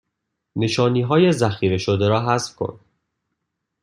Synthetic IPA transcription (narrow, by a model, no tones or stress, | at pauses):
ne̞ʃɒːniːɦɒːje̞zæxiːɾe̞ʃod̪eɾɒːɦæsfkʰo̰n